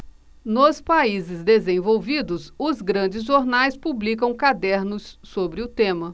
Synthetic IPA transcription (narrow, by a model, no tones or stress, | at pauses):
nʊspaizɪzd̪ezẽvowvid̪ʊsʊzɡɾɐ̃d͡ʒɪzʒoɾnajspublikɐ̃w̃kad̪ɛɾnʊsːobɾɪʊt̪ẽmɐ